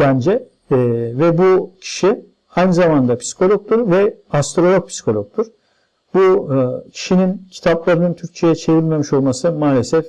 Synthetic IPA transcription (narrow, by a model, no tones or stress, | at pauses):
bænd͡ʒɛ | vɛbucʰi̥ʃi | hajnɯzamand̪apʰi̥si̥kʰo̞lʲok̚t̪uɾvɛast̪ɾolʲˠo̞k̚pʰi̥si̥kʰo̞lʲok̚t̪ʰuɾ̥ | bucʰi̥ʃinincʰi̥t̪ʰaplˠaɾɯnɯnt̪ʰyɾc̚t͡ʃʰe̞jɛt͡ʃʰe̞vilʲme̞miʃo̞lˠmasɯmaːlʲe̞sɛf